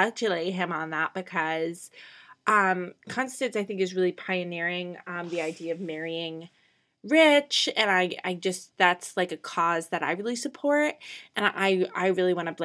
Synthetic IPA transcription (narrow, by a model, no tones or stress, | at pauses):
tʰɨleɪɪ̃mə̃nðæt̚b̥ɨkʰʌz̥ʔʌ̃mkʰɑ̃nstɨ̃nsaɪθɪ̃ŋkɨzɹɪlˠipʰaɪɨnɪɹɪ̃ŋʌ̃mðiaɪdiɨʌvmɛɹiɪ̃ŋ | ɹɪt͡ʃɨ̃naɪa̰ɪd͡ʒʌsðætslaɪkɨkʰɔzðɨɾa̰ɪɹɪlˠisɨpʰɔɹt̚ʔɨ̃nʔa̰ɪa̰ɪɹɪlˠiwɑ̃ñɨbl